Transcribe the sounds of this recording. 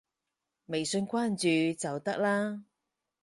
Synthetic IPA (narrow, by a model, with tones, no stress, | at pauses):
me˨˩jsɵ˧nkʷaː˥nt͡ʃyː˨t͡sɐ˨wt̪ɐ˥k̚laː˥